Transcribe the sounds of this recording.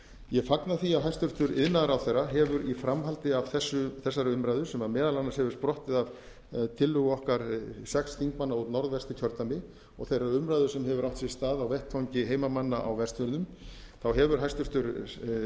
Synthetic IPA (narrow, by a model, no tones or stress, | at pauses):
jɛfaknaθiawɦajst̪ʏr̥t̪ʏɾɪðnaðɾawθejrːaɦɛvʏɾifɾamɦalt̪ɪav̥θɛsːʏθɛsːaɾʏmɾajðʏ̥sɛmaɾmɛːðalanashɛvʏ̥ɾspɾɔht̪ɪðav | t̪ʰɪlːʏɣʏɔhkaɾsɛksθiŋkmanːaut̪nɔɾðvɛst̪ɪcʰœɾt̪amɪ | ɔɣθejraɾʏmɾajðʏ̥sɛmɦɛvʏɾawht̪sɛst̪aːðawvɛht̪ʰawɲcɪɦeːjmamanːaʔa̰wvɛst̪vʏlnʏmθawɦɛvʏɾ̥ɦajst̪ʏɾ̥t̪ʏɾ